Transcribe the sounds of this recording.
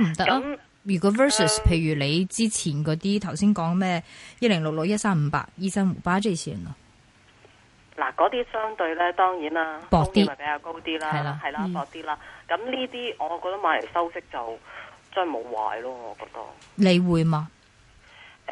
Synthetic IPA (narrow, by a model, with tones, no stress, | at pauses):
m̩˨˩t̪ɐ˥k̚a˦m | jyː˨kɔː˧˥fəː˥su˨˩spʰe˧jɥyː˨˩le˨˧jt͡siː˥t͡sʰiː˨˩nkɔː˨˧˥t̪iː˥t̪ʰɐ˨˩wsiː˥nkɔː˨˥ŋmɛː˥˩jɐ˥lɪ˨˩ŋlʊ˨k̚lʊ˨k̚jɐ˥t̚saː˥m̩˧˥pa̰ː˧k̚jiː˥sɐ˥mṵ˨˩paː˥t͡se˥sʰḭː˨˩nɐ˨˧ | la̰ː˨˩kɔː˨˧˥t̪iː˥sœː˥ŋt̪ɵ˧ɥlɛː˥t̪ɔː˥ŋjiː˨˥naː˥pɔː˧k̪̚iː˥˨˩pe˨˦jkaː˧wko˥wt̪iː˥laː˦ɐ˧˩jlaː˧hɐ˨jla˧pɔː˧k̚t̪iː˥laː˥kɐ˨˥mniː˥t̪iː˥ʔɔː˨˧kɔː˧k̚t̪ɐ˥maː˨˧le˨˩jsɐ˥wsɪ˥k̚t͡sɐ˨wt͡sɔː˥nmo̰˨˧wwa̰ː˨˧jlɔː˥ŋɔː˨˧kɔ̰ː˧k̚t̪ɐ̰˥k̚le˨˧jwuː˨˧jmaː˧